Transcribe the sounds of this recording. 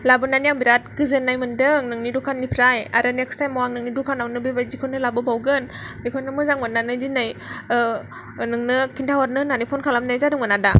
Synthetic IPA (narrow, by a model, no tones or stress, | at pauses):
labɯnanijaŋbiɾat̚ɡɯzɯnːajmɯndɯŋnɯŋnidukʰanːipʰɾaja̰ɾɯnekstajmɔwaŋnɯŋnidukʰanawnɯbɯjbajzikʰɔnɯlabɯbawɡɯnbikʰɔnɯmɯzaŋmɯnːanɯzinaj | nɯŋnɯkʰintʰawaɾnɯnanipʰɔnkʰalamnajzadɯŋmɯnada